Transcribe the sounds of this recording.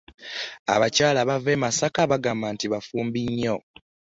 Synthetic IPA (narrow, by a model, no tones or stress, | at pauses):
a̰βacaːlaβave̞ːmasakaβaɡaːmbantiβafuːmbiɲːo̞